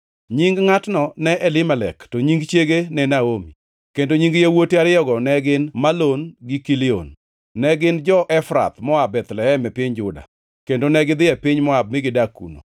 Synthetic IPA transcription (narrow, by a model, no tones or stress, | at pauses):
ɲiŋɡŋatnɔnɛʔɛlɪmɛlɛ̰ktoɲiŋɡt͡ʃeɡenɛnaomi | kendoɲiŋɡjawotiaɾɪjɔɡɔnɛɡɪnmalonɡɪkilɪo̰nː | ɛɡɪnd͡ʒɔʔɛfɾa̰t̪mɔabɛt̪lɛɛmɛpɪɲd͡ʒʊda̰ | kendonɛɡɪd̪ɪɛpɪɲmɔab̚mɪɡɪdakːṵno̰